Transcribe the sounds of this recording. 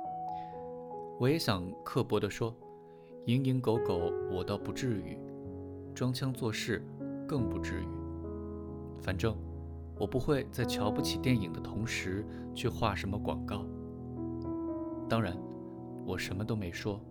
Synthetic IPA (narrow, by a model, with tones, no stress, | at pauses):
wɔ˧˥jɛ˧˥ɕjɑ˨˩ŋkʰɤ˥˩pwɔ˥d̪ɾə˧ʂwɔ˥ | i˧˥ŋi˧˥ŋko˧˥ʊko˨˧˩ʊwɔ˨˩t̪ɑ˥˧pu˧˥ʈ͡ʂɻ̩˥˧˩y̰˨˩˦ | ʈ͡ʂwɑ˥ŋt͡ɕʰjɑ˥ŋt͡swɔ˥˧ʂɻ̩˥˩kɤ˥˩ŋpu˧˥ʈ͡ʂɻ̩˥˩y̰˨˩˦ | fa˨˩nʈ͡ʂɤ˥˩ŋ | wɔ˨˩pu˧˥xwe˥˧ɪt͡sa˥˩ɪt͡ɕʰjɑ˧˥ʊpu˥˩t͡ɕʰi˨˩t̪jɛ˥˩ni˨˩ŋd̪ə˦t̪ʰʊ˧˥ŋʂɻ̩˧˥ | t͡ɕʰy˥˧xwa˥˩ʂə˧˥nmə˧kwɑ̰˨˩ŋkɑ˥˩ʊ | t̪ɑ˥ŋɻa˧˥n | wɔ˨˩ʂə˧˥nmə˧t̪o˥ʊme˧˥ɪʂwɔ˥